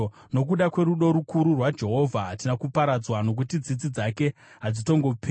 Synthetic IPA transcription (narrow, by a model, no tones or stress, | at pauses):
no̞k̬uɗakwe̞ɾuɗo̞ɾukuɾurwad͡ʒe̞ɦo̞vʱaɦatinakupaɾad͡zwano̞k̬utid͡zid͡zid͡zake̞ | ɦad͡zito̞ŋɡo̞pʰː